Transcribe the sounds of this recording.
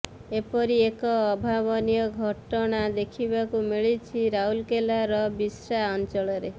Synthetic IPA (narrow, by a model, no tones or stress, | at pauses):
epɔɾiekɔːbʱaβɔnijɔɡʱɔʈɔɽ̃ad̪ekʰibakumiɭit͡ʃʰiɾaulkelaɾɔbisɾaɔnt͡ʃɔɭɔɾe